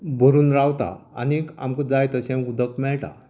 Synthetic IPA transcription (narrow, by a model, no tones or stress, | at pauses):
bʱəɾuːnɾawt̪a̰a̰nia̰mkəd͡zajt̪əɕɛ̃mud̪ʱəkmɛɭʈa̰